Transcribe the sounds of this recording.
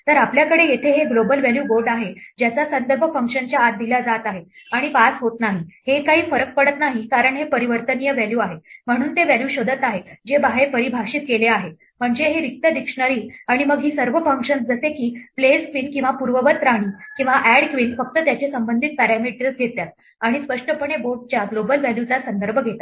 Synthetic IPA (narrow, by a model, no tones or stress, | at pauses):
t̪əɾapljakəɽejet̪ʰeɦeɡlobəlʋæljuːɡoɖaɦed͡ʑjat͡sasənd̪əɾbʱəfəŋkʂənt͡ɕjaːt̪̚d̪ilad͡zat̪aɦeaɽ̃ipasɦot̪naɦihekaɦiːfəɾək̚pəɽət̪naɦikaɾəɳɦepəɾiʋəɾt̪ənijəʋæljuaɦem̤əɽ̃uːnt̪eʋæljuːɕod̪ʱət̪aɦed͡ʑebaɦepəɾibʱaɕiːt̪̚keleaɦe | m̤əɳd͡zeɦeɾik̚t̪əd̪ikʂɳəɾiːaɽ̃iməɡɦiːsəɾʋəfəŋkʂənsd͡zəsekiːpleskʋiːnkĩw̃ʋapuɾʋəʋət̪ɾaɽ̃iːkĩw̃ʋaʔæɽkʋinfək̚t̪ət̪jat͡ɕesəmbənd̪ʱit̪̚pæɾæmiʈɾisɡʱet̪jat̪̚ | aɽ̃ispəʂʈəpəɳ̃eboʈ̚t͡ɕjaɡlobəlʋæljut͡sasənd̪əɾbʱəɡʱet̪a